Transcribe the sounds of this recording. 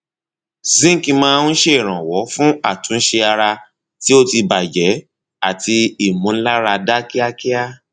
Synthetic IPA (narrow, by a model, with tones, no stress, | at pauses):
zĩ˦˨ki˧mãː˧n̩˦ʃe˦i˨ɾ̃ã˨wɔ˨˦fũ˦a˦˨tũ˨˦n̩˦ʃe˧a˧ɾa˧ | ti˦o˦ti˧ba˨d͡ʒɛ˨˦ | a˦˨ti˧i˨mũ˨˧˦la˦ɾa˧da˦ki˦a˦ki˦a˦